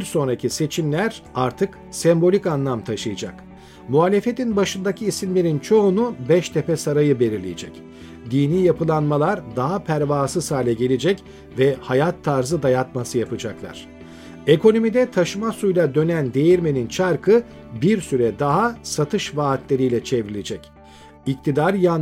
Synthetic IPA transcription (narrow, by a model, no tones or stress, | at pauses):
biɾso̞nɾacʰise̞t͡ʃʰimlʲæɾaɾt̪ʰɯk | sɛmbo̞lʲikanlˠamt̪ʰaʃɯjɯd͡ʒa̰k | muɦaːlʲe̞fe̞t̪ʰinbaʃɯnd̪acʰiːsimlʲe̞ɾint͡ʃʰo̞ːnubɛʃt̪ʰɛpɛsaɾajɯbe̞ɾiɾlʲḭjid͡ʒɛ̰c | d̪iːniːjapʰɯlˠanmalˠaɾd̪aɦapʰæɾvaːsɯzaːlʲɛɟe̞lʲed͡ʒɛc | vɛhajat̪ʰːaɾzɯd̪ajat̪masɯjapɯd͡ʒaklˠa̰ɾ̥ | ekʰo̞no̞mid̪ɛt̪ʰaʃɯmasujlˠad̪ø̞nænd̪e̞jiɾme̞nint͡ʃʰaɾkʰɯ | biɾsyɾɛd̪aɦasat̪ʰɯʃvaːt̪lʲe̞ɾijlʲɛt͡ʃʰevɾilʲed͡ʒɛc | ic̚t̪ʰid̪aɾjan